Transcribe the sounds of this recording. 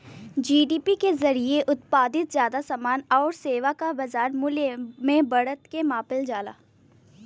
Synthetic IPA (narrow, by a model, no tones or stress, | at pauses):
d͡ʒiːɖiːpikezɐɾieʔʊt̪̚paːd̪ɪt̪zjaːd̪asaːmaːnɔːɾseːʋakabɐzaːɾmʊlemẽbɐɽət̪kemaːpɪld͡ʒaːla̰ː